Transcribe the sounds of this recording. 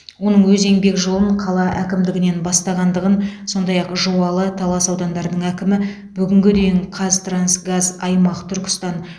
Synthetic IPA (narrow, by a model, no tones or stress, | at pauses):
wo̞nəɴwɵze̞ŋbe̞kʒo̞lˠəɴqʰɑlˠɑʔækʲɪmd̪ɪɡʲɪne̞nbɑst̪ɑʁɑnd̪əʁənso̞nd̪ɑjɑqʒowɑlˠət̪ʰɑlˠɑsɑwd̪ɑnd̪ɑɾəd̪əɴækʲɪmɪ | bʏɡʲɪŋɡʲɪd̪ejɪɴqʰɑzt̪ransɡazɑjmɑqət̪ʰʏɾkʲɪ̥st̪ɑn